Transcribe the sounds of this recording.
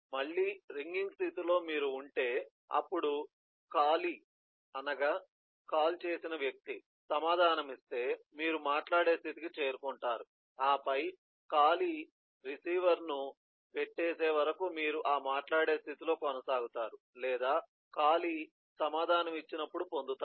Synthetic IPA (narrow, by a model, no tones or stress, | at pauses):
mɐɭːiːɾiŋɡiŋɡst̪it̪ilo̞ːmiːɾuːɳʈe̞ː | ɐ̰pːuɽu | kaːli | ɐnɐɡaː | kaːlt͡ʃe̞ːsinɐʋjɐk̚t̪i | sɐmaːd̪ʱaːnɐmist̪e̞ːmiːɾumaːʈlaːɽe̞ːst̪ʰit̪ikit͡ʃe̞ːɾukuɳʈaːɾu | aːpɐj | kaːli | ɾisiːʋɐɾnu | peʈːeːse̞ːʋɐɾɐkumiːɾuʔaːmaːʈlaːɽe̞ːst̪ʰit̪ilo̞ːkɔnɐsaːɡut̪aːɾu | lɛːd̪aː | kaːli | sɐmaːd̪ʱaːnɐmit͡ʃːinɐpːuɽupo̞nd̪ut̪aː